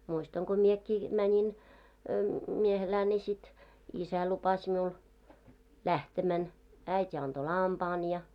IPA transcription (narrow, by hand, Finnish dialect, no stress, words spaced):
muistɑŋ ɡ̊o miekːiː mænʲin miehelæː nʲi sit isæ lupɑs miul læhtemæn æitʲ ɑnd̥o lɑmpɑːn jɑ